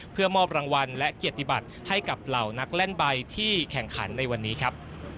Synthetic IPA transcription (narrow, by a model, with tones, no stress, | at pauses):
pʰɯ˥˩ɐmɔː˥˩p̚ɾaː˧ŋwa˧nlɛ˦˥ʔki˨˩ət̪̚d̪i˧˩ba˨˩t̪̚ha˥˩jka˨˩p̚la˨˩wna˦˥k̚le˥˩nba˧jt̪ʰiː˥˩kʰɛ˨˩ŋkʰa̰˩˦nːa˧jwa˧nːiː˦˥kʰɾa˦˥p̚